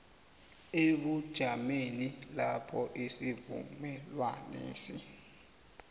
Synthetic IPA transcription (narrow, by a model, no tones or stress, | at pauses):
eɓud̥ʒ̥ʱamenilapʰɔʔisivṵmɛlwa̰nḛːsi